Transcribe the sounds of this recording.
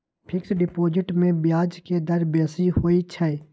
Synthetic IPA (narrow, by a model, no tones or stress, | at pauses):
pʰɪksɖɪpoːd͡ʒɪʈmẽbjaːd͡ʒked̪əɾbeːsihoːit͡ʃʰəeː